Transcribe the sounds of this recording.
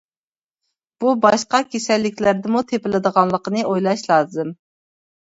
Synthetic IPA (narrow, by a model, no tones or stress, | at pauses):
b̥ubɑʃqɑkʲʰesɛlːɪkʲlæɾd̪ɪmut̪ʰepɪlɪd̪əʁɑnlˠəqənɨʔojlˠɑʃlˠɑːzɨm